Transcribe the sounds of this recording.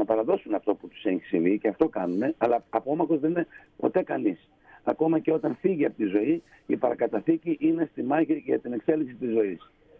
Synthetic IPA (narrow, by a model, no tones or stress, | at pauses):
nɐpɐɾɐðo̞sunɐft̪o̞put̪u̥seɲçi̥siviceɐft̪o̞kɐnune̞ɐlɐːpo̞mɐxo̞zðe̞nine̞po̞t̪e̞kɐnis | ɐko̞mɐceo̞t̪ɐnfiʝiɐpot̪izo̞i | ipɐɾɐkɐt̪ɐθiciʔine̞st̪imɐçiʝɐ̰t̪ine̞kse̞liksit̪izːo̞is